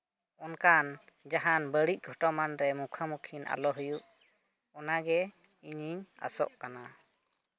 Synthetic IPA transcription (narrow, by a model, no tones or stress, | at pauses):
ɔnkan | d͡ʒaɦanbəɽic̚ˀɡʱɔʈɔmanɾɛmukʰamukʰinʔa̰lɔɦujuʔ | ɔnaɡɛ | iɲiɲa̰sɔ̰ʔkana